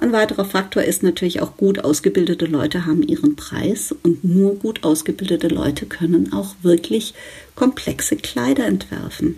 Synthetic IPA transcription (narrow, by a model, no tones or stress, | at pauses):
ʔaɪnvaɪtəʁɐfak̚tʰoːɐʔɪstnatʰyːɐlɪça̰ʊxɡ̥uːtʔa̰ʊsɡ̥əbɪldətəlɔʏtəɦaːbm̩ʔiːʁənpʁ̥a̰ɪsʊntnuːɐɡuːtʔaʊsɡ̥əbɪldətəlɔ̰ʏtʰəkʰœnənaʊxv̥ɪɐklɪç | kʰɔmpʰl̥ɛksəkl̥aɪɾɐɛntv̥ɛ̰ɐfn̩